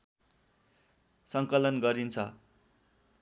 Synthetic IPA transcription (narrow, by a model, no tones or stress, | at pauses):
sʌŋkʌlʌnɡʌɾint͡sʰʌ